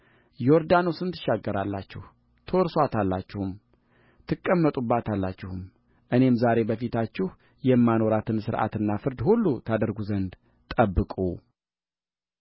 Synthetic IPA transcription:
joɾd̪ano̞sɨnt̪ʰɨ̥ʃːaɡːəɾalːa̰t͡ʃːɪ̰h | t̪ʰo̞ɾsoat̪alːat͡ʃːɛhum | t̪ʰɨkʼːəmːət̪ʼubːat̪ʰalːat͡ʃːɪhɨm | ʔɨne̞mzaɾe̞bəfit̪ʰat͡ʃːɪh | jɛmːano̞ɾat̪ʰɨnsɨɾʔa̰t̪ɨnːafɨɾd̪hulːut̪ʰad̪əɾɡuzənd̪ | t̪ʼəbːɨkʼu

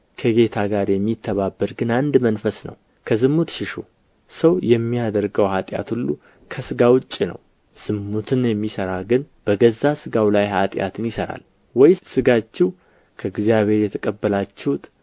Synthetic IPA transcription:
kʰəɡe̞t̪ʰaɡaɾjɛmːit̪ʰːəβabːəɾɡɨnand̪mənfəsnə̰w | kʰəzɨmːut̪ʃɪʃu | səwjɛmːijad̪əɾɡəwhat̪ʼja̰t̪hulːṵ | kʰəsɨɡawʊt͡ʃʼːinə̰w | z̥ɨmːut̪ʰɨnjɛmːisəɾaɡɨn | b̥əɡəzːasɨɡawlajhat̪ʼja̰t̪ʰɨnjɪsəɾa̰l | wɔjsɨɡat͡ʃːɪw | kʰəɨɡzijaβe̞ɾjɛt̪ʰəkʼəbːəlat͡ʃːɪhut̪

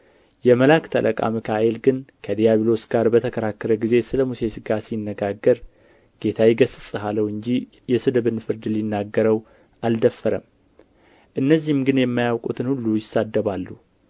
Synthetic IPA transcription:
jɛməlakt̪ʰə̰lʔəkʼa̰mɨkʰaʔelɡɨnkʰəd̪ijaβilo̞sɡaɾbət̪ʰəkʰəɾakːəɾəɡize̞sɨləmuse̞sɨɡasinːəɡaɡːəɾ | ɡ̥e̞t̪ʰajɪɡəsɨsʼɨɦaləwɨɲd͡ʒi | jɛsɨd̪əβɨnfɨɾd̪linːaɡːəɾəw | ʔald̪əfːəɾəm | ʔɨnːəzːihɨmɡɨnjɛmːajawkʼut̪ʰɨnhulːujɪsad̪ːəβalːu

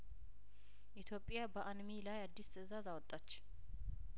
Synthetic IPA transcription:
ʔit̪ʰjo̞pʼɪjabəʔanmilajad̪ːist̪ʰəzazawɔt̪ʼːat͡ʃː

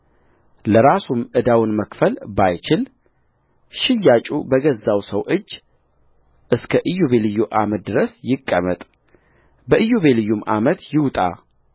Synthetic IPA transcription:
ləɾasumɨd̪awʊnməkfəlbajt͡ʃɪl | ʃɪjːat͡ʃʼubəɡəzːawsəwʔɨd͡ʒː | ʔɨskʰəʔɨjːuβelɨjːuʔa̰mət̪̚d̪ɨɾəsjɪkʼːəmət̪ʼ | bəʔɨjːuβelɨjːumʔa̰mət̪jɪwt̪ʼa̰

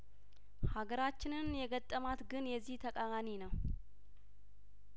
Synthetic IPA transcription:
haɡəɾat͡ʃːɪnɨnjɛɡət̪ʼːəmat̪ɡɨnjɛzːiht̪ʰəkʼalaminəw

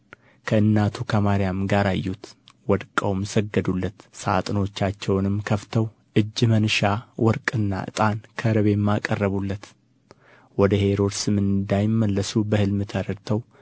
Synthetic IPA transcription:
kʰəɨnːat̪ʰukʰəmaɾijamɡaɾajːut̪wɔd̪kʼəwmsəɡːəd̪ulːət̪sa̰t̪ʼɨno̞t͡ʃːat͡ʃːɛwnɨmkʰəft̪ʰəw | ʔɨd͡ʒːmənʃawɔɾkʼɨnːa̰ʔɨ̰t̪ʼankʰəɾəβe̞mːakʼərːəβulːət̪ | wɔd̪əheɾo̞d̪sɨmɨnd̪ajɪmːəlːəsubəhɨlmɨt̪ʰəɾəɾt̪ʰəw

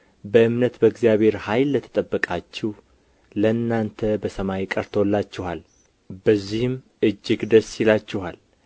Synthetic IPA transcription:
bəʔɨmnət̪bəɡzijaβe̞ɾhajlːət̪ʰə̥t̪ʼəbːəkʼat͡ʃːɪh | lənːant̪ʰəbəsəmajkʼəɾt̪ʰolːat͡ʃːɪhal | bəzːihɪm | ɨd͡ʒːɪɡd̪əɾsilat͡ʃːɪɦal

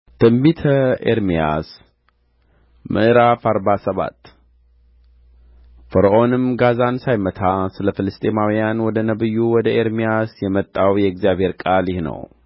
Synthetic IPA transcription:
t̪ʰɨmbit̪ʰəeɾmija̰s | mʔɨ̰ʔɨɾafaɾbasəβa̰t̪ː | fəɾəʔo̞nɨmɡazansajmət̪ʰasɨləfɨlɨst̪ʼemawijanwɔd̪ənəβɨjːuwɔd̪əeɾmijasjɛmət̪ʼːawjɛɪɡzijaβhe̞ɾkʼaljɪhnə̰w

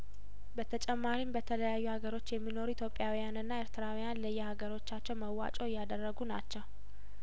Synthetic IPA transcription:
bət̪ʰət͡ʃʼɛmːaɾimbət̪ʰələjajːuhaɡəɾo̞t͡ʃːjɛmːino̞ɾuit̪ʰjo̞pʼːjawijanɨnːaeɾt̪ʰɨɾawijanləjːɛhaɡəɾo̞t͡ʃːat͡ʃːɛwməwa̰t͡ʃʼojːad̪ərːəɡuna̰t͡ʃːɛw

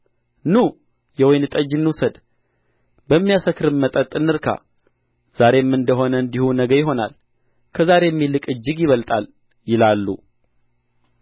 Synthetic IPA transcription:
nu | jɛwɔjnɨt̪ʼəd͡ʒːɨnːɨsəd̪ | bəmːijasəkːɾɨmːət̪ʼət̪ʼːɨnːɨɾkʰa̰ | z̥aɾe̞mːɨnd̪əɦo̞nəɨnd̪ihunəɡəjɪɦo̞na̰l | kʰəzaɾe̞jɛmːilɨkʼɨd͡ʒːɨɡjɪβəlt̪ʼal | jɪlalːṵ

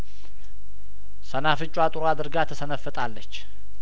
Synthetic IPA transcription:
sənafɨt͡ʃʼːwat̪ʼuɾad̪ɨɾɡat̪ʰəsənəfːət̪ʼalːət͡ʃː

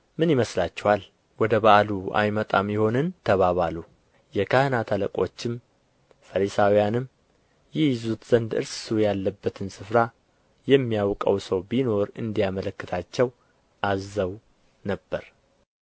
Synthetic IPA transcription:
mɨnjɪməslat͡ʃːɛwal | wɔd̪əβaʔlua̰jmət̪ʼamjɪho̞nɨnt̪ʰəβaβalu | jɛkʰahɨnat̪ʰaləkʼo̞t͡ʃːɪm | fəɾisawijanɨm | jɪhjɪzut̪z̥ənd̪ɨ̰ɾssujalːəbːət̪ʰɨnsɨfɾa | jɛmːijawkʼəwsəwbino̞ɾɨnd̪ijamələkːɨt̪ʰat͡ʃːɛw | ʔazːəw | nəbːəɾ

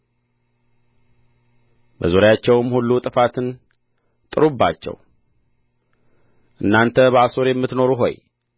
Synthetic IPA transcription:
bə̰zoɾɪjat͡ʃːɛwmhulːut̪ʼɨfat̪ʰɨn | t̪ʼɨɾubːat͡ʃːɛ̰w | ʔɨnːant̪ʰəbəaso̞ɾjɛmːɨt̪no̞ɾuɦo̞̰j

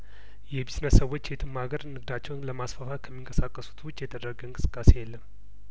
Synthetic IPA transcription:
jɛbisnəsəwːot͡ʃːet̪ʰɨmːaɡəɾnɨɡ̚d̪at͡ʃːɛwnləmasfəfakʰəmːiŋkʼəsakʼːəsu̥t̪wʊt͡ʃːjɛt̪ʰəd̪əɾɡəɨŋkʼɨsɨ̥kʼːase̞jɛlːəm

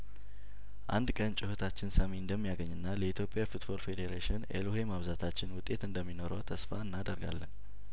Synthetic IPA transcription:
ʔa̰nd̪kʼənt͡ʃʼɪhot̪ʰat͡ʃːɪnsəmeɨnd̪əmːijaɡəɲːɨnːaləit̪ʰjo̞pʼjafut̪bo̞lfed̪eɾeʃɪnḛloɦe̞maβzat̪ʰat͡ʃːɪnwʊt̪ʼːe̞t̪ɨnd̪əmːinoɾə̰wt̪ʰəsfa̰ɨnːad̪əɾɡa̰lːən

